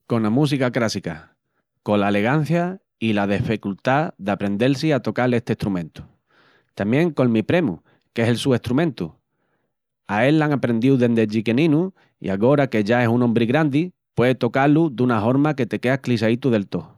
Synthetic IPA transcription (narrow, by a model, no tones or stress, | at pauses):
ko̞nlamũs̬ikakɾasika | ko̞laele̞ɣ̞an̟θja | ilað̞efikult̪aðapɾe̞nd̪e̞ls̬iat̪o̞kale̞ht̪eht̪ɾumẽ̞nt̪u̥ | t̪amjẽ̞ŋko̞lmipɾe̞mṵ | ke̞se̞lsue̞ht̪ɾumẽ̞nt̪u | ae̞lːaŋapɾe̞nd̪iwðe̞nd̪ed͡ʒike̞nĩnu | ḭaɣo̞ɾake̞ʝae̞sunõmbɾiɣɾand̪i | pwe̞ðet̪o̞kalud̪unaɦo̞ɾmake̞t̪e̞ke̞aklisait̪uðe̞lt̪o̞